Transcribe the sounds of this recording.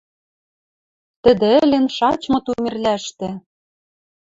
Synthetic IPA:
t̪ɘ̆d̪ĕɘ̆lɘ̆nʃɑt͡ɕmɤ̆t̪umʲĕrlæʃt̪ĕ

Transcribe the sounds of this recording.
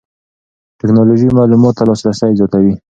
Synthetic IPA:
ʈɪknɑloʒimɑlumɑt̪ːalɑsɾasajzjɑt̪awi

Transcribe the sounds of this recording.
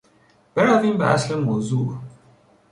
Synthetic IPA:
b̥ɛɾɔvĩba̰a̰sləmmozu

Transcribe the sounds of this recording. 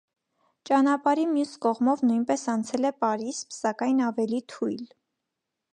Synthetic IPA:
t͡ʃɑnɑpɑɾimjuskɔʁmɔvnujnpɛsɑnt͡sʰɛlɛpɑɾispsɑkɑjnɑvɛlit̪ʰujl

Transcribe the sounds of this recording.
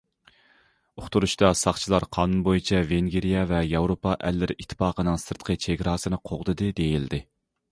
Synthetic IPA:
oχt̪uɾuʃt̪ɑsɑχt͡ʃʰilˠɑɾqʰɑːnunbojit͡ʃʰɛveŋɡʲeɾijɛvɛjɑwɾopɑʔɛlːɪɾit̪ʰːɪ̥pɑːqənɨŋsɨɾt̪qʰət͡ʃʰeɡʲɾɑːsɨnɨqʰoʁd̪ɨd̪ɨd̪ejild̪ɪ

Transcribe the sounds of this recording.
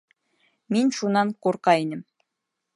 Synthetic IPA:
minʲʃunɑnquɾqɑinʲɘ̆m

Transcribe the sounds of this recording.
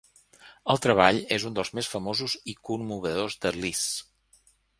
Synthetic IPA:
əlˠt̪ɾəβ̞aʎezund̪əlˠzmesfəmozuzikumːuβ̞əðozd̪əlis

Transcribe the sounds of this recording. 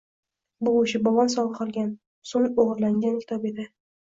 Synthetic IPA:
bʊʊʃɪbɒvɒns̬ɒlˠəqʰɒlˠɡʲan | soŋoʁɾlaŋɡʲankʲʰɪ̥t̪ʰɒpe̞d̪ɪ

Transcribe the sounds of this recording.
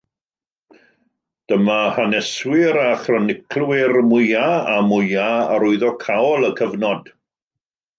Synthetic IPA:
d̥əmahanɛswɪɾaχrɔnɪkʰlˠwɪrmʊjaamʊjaaɾʊɨðɔkʰawɔlˠəkʰəvnɔd̥

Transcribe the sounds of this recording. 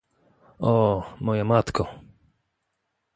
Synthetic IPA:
ɔmɔjamat̪kɔ

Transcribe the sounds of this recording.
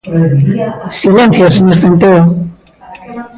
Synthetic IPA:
silenθjosenesθent̪eo

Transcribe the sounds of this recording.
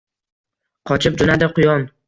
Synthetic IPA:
qʰɒt͡ʃʰɪp̚d͡ʒʊnad̪ɪqʰʊjɒn

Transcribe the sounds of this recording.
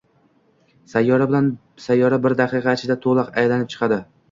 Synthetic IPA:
sajːɒɾabɪlan | sajːɒɾabɪɾd̪aqʰɨqʰɑt͡ʃʰɪd̪at̪ʰolˠɑqajlanɪp̚t͡ʃʰɨ̥qʰɑd̪ɪ

